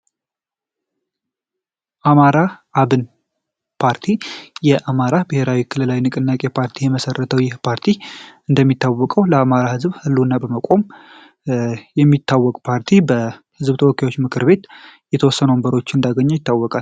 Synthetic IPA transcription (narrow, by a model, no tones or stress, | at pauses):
ʔamaɾaʔaβɨn | pʰaɾt̪ʰijɛʔamaɾabɨhe̞ɾawikʰɨlɨlawinɨkʼɨnːakʼe̞pʰaɾt̪ʰijɛməsərːət̪ʰəwjɪhpʰaɾt̪ʰiɨnd̪əmːit̪ʰːawːɔkʼəwləamaɾahɨzbhɨlːunːabəməkʼo̞m | jɛmːit̪ʰːawːɔkʼpʰaɾt̪ʰibəhɨzbt̪ʰəwɔkːajwo̞t͡ʃːmɨkʰɨɾbe̞t̪jɛt̪ʰəwɔsːənəwmbəɾo̞t͡ʃːɪɨnd̪aɡəɲːɛjɪt̪ːawːɔkʼal